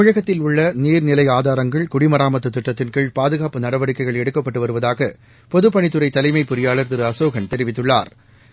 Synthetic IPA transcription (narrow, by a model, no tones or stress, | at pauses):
mʊɻɐɣɐt̪ːɪlʊɭːɐniːɾnɪlɐɪaːðaːɾɐŋɡɐɭkʊɽɪmɐɾaːmɐt̪ːɯt̪ːɪʈːɐt̪ːɪnkɪɭpaːðɯɣaːpɯnɐɽɐʋɐɽɪkːɐɪɣɐɭɛɽɯkːɐpːɐʈːɯʋɐɾɯʋɐðaːɣɐ | pɔðɯpːɐɳɪt̪ːɯɾɐɪt̪ɐlɐɪmɐɪpːʊɾɪjaːlɐɾt̪ɪɾɯɐsoːɣɐnt̪ɛɾɪʋɪt̪ːɯɭːa̰ːɾ